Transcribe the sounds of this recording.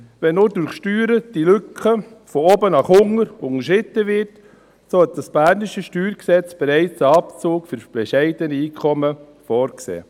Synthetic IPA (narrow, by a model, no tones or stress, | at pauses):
ʋɛnːodʊɾχʃtyːɾəd̥ilʏkχə | fɔobənɑχʊŋəɾʊŋəʃɪt̪ːəʋɪɾt | sohɛt̚d̥ɑsb̥æɾnɪʃəʃtyːɾksɛt͡sb̥eɾɛɪt͡səɑpt͡soːkfʏɾb̥ɛʃɛɪdənəiːkʰɔmə | fɔːɾksḛː